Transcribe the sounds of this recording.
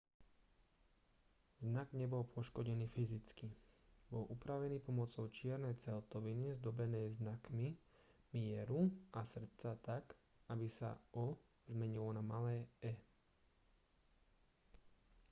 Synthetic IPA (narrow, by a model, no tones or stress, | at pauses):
znaɡɲɛbɔlpʊɔʃkɔɟɛniːfizit͡skibɔlʔupɾaʋɛniːpɔmɔt͡sɔʊt͡ʃɪɛɾnɛjt͡sɛlt̪ɔʋinizd̪ɔbɛnɛːznakmi | mɪɛɾuʔasr̩t͡sat̪ak | abisa̰ʔɔ | zmɛɲilɔnamalɛːɛ